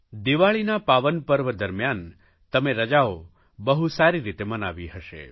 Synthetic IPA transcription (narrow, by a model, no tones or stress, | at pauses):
d̪iʋaɭinapaʋənpəɾʋəd̪əɾmjan | t̪ɐmeɾɐd͡ʒao | bəɦusaɾiɾit̪emɐnaʋiɦəʃḛ